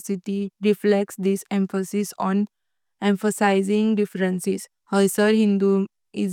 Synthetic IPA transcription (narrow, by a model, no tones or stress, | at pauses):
siʈiɾiflek̚ʈsd̪isẽmfəsisɔn | ẽmfəsaɪzĩŋɡɖifɾə̃nsis | həjsəɾɦĩnd̪u | iz